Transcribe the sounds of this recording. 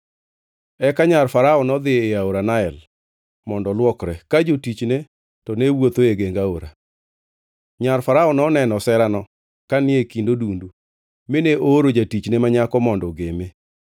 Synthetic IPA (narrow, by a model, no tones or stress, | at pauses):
ɛkaɲarfaɾaɔnɔd̪ɪeaoɾanaɛl | mɔndɔlwɔkɾɛkad͡ʒotit͡ʃne | tɔnewot̪oeɡeŋɡaoɾa | ɲaɾfaɾaɔnɔnɛnɔsɛɾanɔ | kanɪekindodundu | mɪneʔoɾod͡ʒatit͡ʃnemaɲakɔmɔndɔɡeme